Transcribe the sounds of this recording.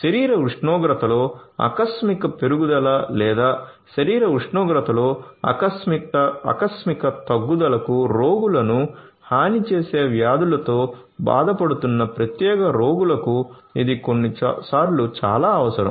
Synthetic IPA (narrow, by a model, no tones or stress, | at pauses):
ʃɐɾiːɾɐuʂɳɔːɡɾɐt̪ɐlo̞ːɐ̰kɐsmikɐpe̞ɾuɡud̪ɐlɐlɛːd̪aː | ʃɐɾiːɾɐuʂɳɔːɡɾɐt̪ɐlo̞ːɐ̰ɐsiɐɐ̰kɐsmikɐt̪ɐɡːud̪ɐlɐkuɾoːɡulɐnuhaːnit͡ʃeːse̞ːʋjaːd̪ulɐt̪o̞ː | ba̰ːd̪ɐpɐɽut̪unːɐpɾɐt̪jɛːɡɐɾoːɡulɐku | id̪iko̞nːisaːɾlut͡ʃa̰ːlaːɐʋɐsɐɾɐ̰m